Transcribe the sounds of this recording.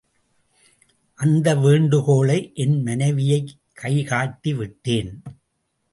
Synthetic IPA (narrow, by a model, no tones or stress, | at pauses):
ʔɐnd̪ɐʋeːɳɖɯɣoːɭɐɪʔɛnmɐnɐɪʋɪjɐɪkʰːɐɪɣaːt̪ːiʋɪʈːeːn